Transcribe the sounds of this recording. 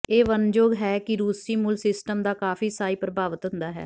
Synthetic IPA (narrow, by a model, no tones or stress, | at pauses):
eːʋənd͡ʒoːɡɦɛːkɪɾuːsiːmʊlsɪsʈəmd̪aːkaːfiːsaːiːpɾəbaːʋət̪ɦʊ̃nd̪aːɦɛ̰ː